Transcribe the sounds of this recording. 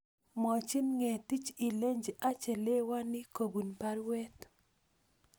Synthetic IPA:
mɔ˨t͡ʃi˦nŋɛ˨ti˦t͡ʃi˨le˦ɲd͡ʒa˦t͡ʃɛ˨le˦wa˦nɪ˦ko˨bu˨npa˦ɾwɛ˦t

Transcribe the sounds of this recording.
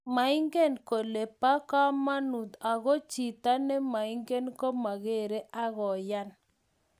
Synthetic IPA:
ma˨ɪ˦ŋɡe˦nko˨le˨pa˦ka˦ma˦nu˨t̪a˨ɣo˦t͡ʃi˨t̪a˦ne˦ma˨ɪ˦ŋɡe˦nko˦ma˨ɣe˦˨ɾe˦ʔa˦ɣɔ˨ja˦n

